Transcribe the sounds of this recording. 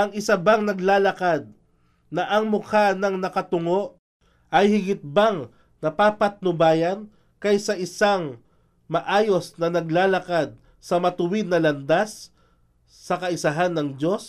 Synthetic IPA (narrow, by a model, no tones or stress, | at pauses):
ʔɐŋɪsɐbaŋnɐɡlaːlɐkad̪̚ | nɐʔɐŋmʊkanɐŋnɐkɐt̪ʊŋo̞ʔ | ʔɐjhɪɡɪt̪̚baŋ | nɐpaːpɐt̪̚nʊbaːjɐn | kɐjsɐʔɪsaŋ | mɐʔaːjo̞snɐnɐɡlaːlɐkad̪̚ | sɐmɐt̪ʊwɪd̪̚nɐlɐnd̪asː | ɐkɐɪsɐɦanːɐŋdo̞s